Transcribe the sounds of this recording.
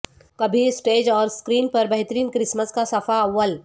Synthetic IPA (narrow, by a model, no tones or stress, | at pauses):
kɐbʱisʈeːd͡ʒɔːɾskɾiːnpɐɾbɐɦt̪əɾiːnkɾɪsməskasɐfaɐʋːəl